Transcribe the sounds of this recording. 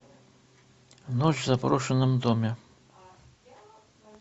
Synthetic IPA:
nɔt͡ʃvzapɾɔʂɐnɨmd̪ɔmʲɛ

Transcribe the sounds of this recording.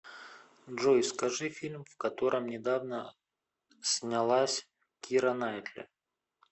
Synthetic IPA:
ʐojskɐʐɨfʲilʲmvkɐt̪o̞ɾʔəmnʲɪd̪avnə | sʲnʲalˠasʲ | kʲiɾənajt̪lʲɪ̰

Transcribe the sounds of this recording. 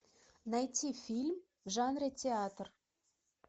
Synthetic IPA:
nɑjt̪ʲifʲilʲm | ʒɑnɾetʲeɑt̪r

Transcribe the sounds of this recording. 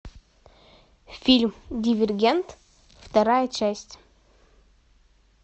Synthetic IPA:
filʲmdʲivʲɛrɡʲɛnt̪ | ft̪ɐɾajət͡ʃæsʲtʲ

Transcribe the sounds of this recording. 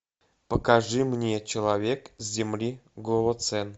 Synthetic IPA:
pəkɐʐɨmnʲet͡ɕɪlˠɐvʲekzʲzʲɪmlʲiɡlˠəvot̪sɛn

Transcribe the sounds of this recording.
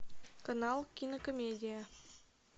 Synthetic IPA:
konɑlˠkʲinokomʲedʲija

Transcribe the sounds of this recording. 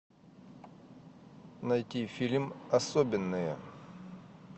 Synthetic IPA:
nɐjtʲifʲilʲmɐsobʲɪnːɨjə̰

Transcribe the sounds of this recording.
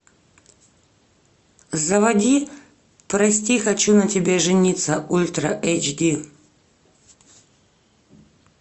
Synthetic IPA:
zɐvɐd̪ʲi | pɾɐsʲt̪ʲixɐt͡ɕunɐtʲɪbʲeʐɨnʲit̪səʔulʲt̪ɾɐʔɛjt͡ʃd̪ʲi

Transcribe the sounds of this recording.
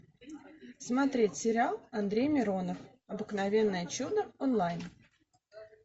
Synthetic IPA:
smɐt̪ɾʲetʲsʲɪɾʲɪalˠɐnd̪ɾʲejmʲɪɾo̞nəf | ɐbɨknɐvʲe̞nːəjət͡ɕud̪əonlˠajn

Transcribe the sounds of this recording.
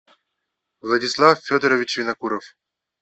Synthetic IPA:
vlˠɐdʲɪslˠaffʲod̪əɾəvʲɪt͡ɕvʲɪnɐkuɾəf

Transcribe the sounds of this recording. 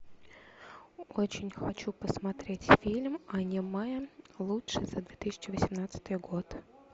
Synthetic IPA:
ot͡ɕɪnʲxɐt͡ɕupəsmɐt̪ɾʲetʲfʲilʲmɐnʲɪmajəlˠutʂɨzad̪vʲet̪ɨsʲɪ̥t͡ɕːɪvəsʲɪmnat̪sə̥t̪ɨjɡo̞t̪

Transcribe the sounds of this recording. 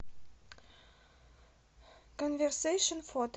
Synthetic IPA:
kɔ̃nvəɹseʃə̃nfɔt̪

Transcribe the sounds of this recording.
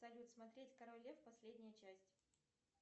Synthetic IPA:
ɐlʲut̪smɐt̪ɾʲetʲkɐɾolʲefpɐsʲlʲedʲnʲɪjət͡ɕæsʲtʲɪ

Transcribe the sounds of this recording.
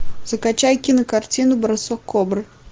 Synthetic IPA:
z̥ɐkat͡ʃajkʲinɐkart͡sʲinʊbɐɾasɔkːɔbɾɨ

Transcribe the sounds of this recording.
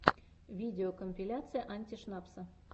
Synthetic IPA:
vʲidʲeokomʲpʲilʲat̪sɨjəʔanʲtʲiʂnɑpsə

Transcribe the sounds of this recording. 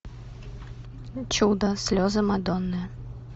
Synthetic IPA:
t͡ɕud̪əsʲlʲɔzəmad̪ɔnːɨ

